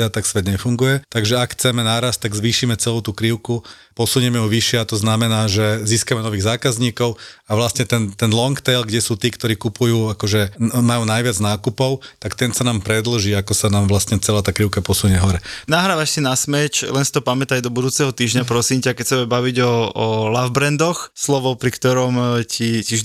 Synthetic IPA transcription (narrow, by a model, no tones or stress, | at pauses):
at̪aksʋɛd̪ɲɛfuŋɡujɛt̪aɡʒɛakxt͡sɛmɛnaːɾast̚t̪aɡzʋiːʃiːmɛt͡sɛluʊt̪ukɾiʊku | pɔsuɲɛmɛjuʋiʃɪɛat̪ɔznamɛnaːʒɛziːskamɛnɔʋiːɣzaːkazɲiːkɔʊaʋlast̪ɲɛt̪ɛnt̪ɛnlɔŋkt̪ɛlɡɟɛsuːt̪iːkt̪ɔɾiːkupujuːakɔʒɛmajuːnajʋɪad͡znaːkupɔʊt̪akt̪ɛnsanaːmpɾɛd̪l̩ʒiːakɔsanaːmʋlast̪ɲɛt͡sɛlaːt̪aːkɾiʊkapɔsuɲɛɦɔɾɛnaɦɾaːʋaʃsinasmɛt͡ʃlɛnsi̥t̪ɔpamɛt̪ajd̪ɔbud̪uːt͡sɛɦɔt̪iːʒɲapɾɔsimcakɛcsɛmɛbaʋiɟɔɔlavbɾɛnd̪ɔxslɔʋɔʊpɾikt̪ɔɾɔmcʰici